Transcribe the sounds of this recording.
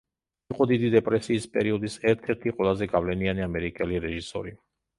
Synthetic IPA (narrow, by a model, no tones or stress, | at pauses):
iqʼɔd̪id̪id̪ɛpʼɾɛsiːspʼɛɾiɔd̪isɛɾt̪ʰɛɾt̪ʰiqʼwɛlˠazɛɡavlɛnianiamɛɾikʼɛliɾɛʒisɔ̰ɾi